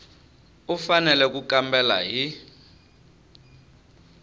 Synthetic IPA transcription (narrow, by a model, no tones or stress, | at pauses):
ufanɛlɛk̬ukambɛla̰ɦi